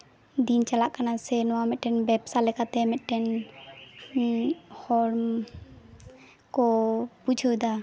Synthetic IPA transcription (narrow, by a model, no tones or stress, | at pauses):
d̪int͡ʃalaʔkanasɛnɔwamɛt̪̚ˀʈɛnbɛpsalɛkat̪ɛmɛt̪̚ˀʈɛn | hɔɾm | kɔpud͡ʒʱɔwd̪a